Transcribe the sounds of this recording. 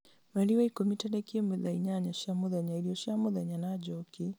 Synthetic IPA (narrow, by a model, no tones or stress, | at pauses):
maliwaikomitadɛkemɛðaiɲaɲaʃamuðaɲaiɾiɔʃamɔðaɲanad͡ʒɔki